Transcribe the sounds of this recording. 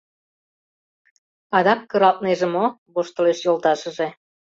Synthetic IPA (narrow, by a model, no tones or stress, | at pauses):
ɑd̪ɑkːə̆ɾɑlt̪̚neʒemoβoʃt̪ə̆leʃjolt̪ɑʃə̆ʒe